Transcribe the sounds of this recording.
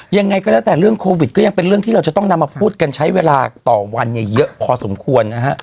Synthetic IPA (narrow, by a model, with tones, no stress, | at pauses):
ja˧ŋːa˧jkɔː˥˩lːwt̪ɛː˨˩ɾɯ˥˩əŋkʰoː˧wi˨˩t̪̚kɔː˥˩ja˧ŋpe˧nɾɯ˥˩əŋt̪iː˥˩ɾa˧wt͡ɕa˨˩t̪ɔ˥˩ŋna˧mːaː˧pʰuː˥˩t̪̚ka˧nt͡ɕʰa˦˥jweː˧laː˧t̪ɔː˨˩wa˧nja˨˩jjɤ˦˥ʔkʰɔː˧so˩˦mkʰu˧ənːa˦˥kʰa˦˥ʔ